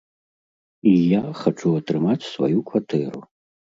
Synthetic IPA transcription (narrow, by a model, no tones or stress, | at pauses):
ijaχaʈ͡ʂʰuatrɨmat͡sʲsva̰jukʰvatʰɛɾṵ